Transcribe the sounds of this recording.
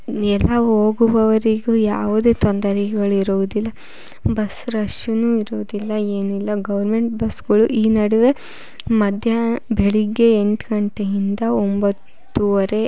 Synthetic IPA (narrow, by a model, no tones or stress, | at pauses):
ɛlːɐɦo̞ːɡuʋɐʋɐɾiɡujaːʋud̪e̞ːt̪ɔnd̪ɐɾikɛɡɐɭuiɾuʋud̪ilːɐ | bɐsɾɐʂunuːiɾuʋud̪ilːɐe̞ːnilːɐɡɐʋɐɾme̞ɳʈ̚bɐsɡɐɭuʔiːnɐɽiʋe̞ | mɐd̪ʱjɐbʱeɭiɡːe̞ːɳʈɡɐɳʈeind̪ɐombɐt̪ːuɐɾe̞